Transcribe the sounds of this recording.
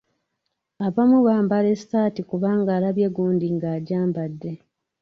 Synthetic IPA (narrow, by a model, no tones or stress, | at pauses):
aβamuβaːmbale̞sitaːtikuβaːŋɡaːlaβje̞ɡuːndiŋɡaːɟaːmbadːe̞